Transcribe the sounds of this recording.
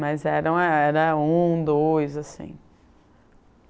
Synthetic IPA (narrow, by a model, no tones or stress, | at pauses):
mɐjzɛɾɐ̃w̃aɛɾɐũd̪ojzasḭ̃